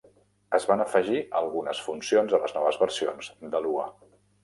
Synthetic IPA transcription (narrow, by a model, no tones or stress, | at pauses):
əzβanəfəʒiəlˠɣunəsfunsionzələznɔβəzβəɾsionzd̪əluə̰